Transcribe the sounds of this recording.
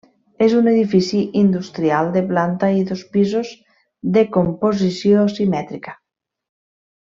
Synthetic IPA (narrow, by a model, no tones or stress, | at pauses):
ezuneðifisiʔind̪ust̪ɾiald̪eplant̪aiðospizoz | ðekompoz̬isjosimɛt̪ɾikḁ